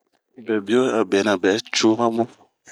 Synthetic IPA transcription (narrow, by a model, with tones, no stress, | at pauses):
bɛ˨bi˦o˦a˨bɛ˨nã˨bɛ˨˦t͡ʃo˦mã˦mɔ̃˦